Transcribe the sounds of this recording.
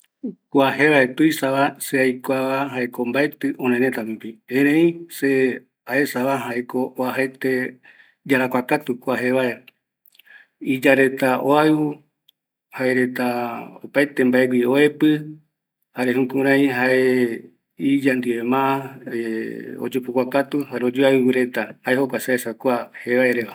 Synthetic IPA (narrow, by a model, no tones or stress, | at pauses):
kʷahe̞βaet̪ujsaβaseajkʷaβaɦaekombae̞t̪ɨʔõnẽnẽt̪anupiẽɾẽĩse | ae̞saβaɦaekooaɦat̪e̞ | d͡ʒaɾakʷakat̪ukʷaɦeβae | id͡ʒaɾe̞t̪aʔoaɨu | haeɾe̞t̪aopajt̪e̞mbaeɡʷioepɨ | haɾeɦũkũɾ̃ãĩɦaʔe | id͡ʒand̪ɨemãʔaeo̰d͡ʒupukʷakat̪uhaɾeod͡ʒoaɨβuɾe̞t̪ahaehokʷaseesakʷahe̞βaeɾeʋa